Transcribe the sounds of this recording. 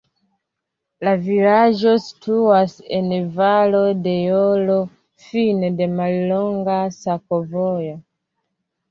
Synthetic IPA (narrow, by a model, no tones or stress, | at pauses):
lavilaʒɔsi̥tʰuwasɛnevalodejɔlɔ | finedemalilɔŋɡasakovɔjo